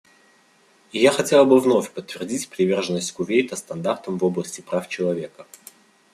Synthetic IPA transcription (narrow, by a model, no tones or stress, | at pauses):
ɪjaxɐtʲe̞lˠbɨvno̞fʲpət̪ːvʲɪrdʲitʲpɾʲɪvʲe̞rʐənːəsʲtʲkʊvʲejt̪əst̪ɐnd̪art̪əmvoblˠəsʲtʲɪpɾaft͡ɕɪlˠɐvʲe̞kə